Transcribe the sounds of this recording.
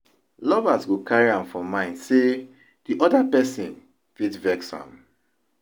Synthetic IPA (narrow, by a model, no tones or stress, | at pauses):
lɔvasɡokaɹiãmfɹɔ̃mãɪ̃ndse | d̥iʔɔdapɛsĩn | fitvɛksã̰m